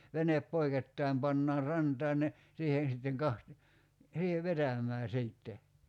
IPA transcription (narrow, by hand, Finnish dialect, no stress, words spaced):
ʋenep poiketːɑim pɑnːɑːr rɑntɑːn ne siːhen̞ sitːeŋ kɑht siːheʋ ʋetæmˑæː siːtːe